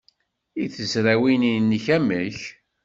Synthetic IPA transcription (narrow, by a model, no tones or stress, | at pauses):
iθəsɾæwininːəçæməç